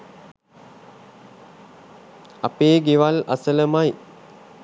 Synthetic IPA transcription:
apeːɡeʋala̰sələmaj

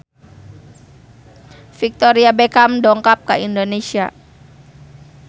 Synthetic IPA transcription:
fik̚t̪oɾiabekamdɔŋkap̚kaʔindonesia

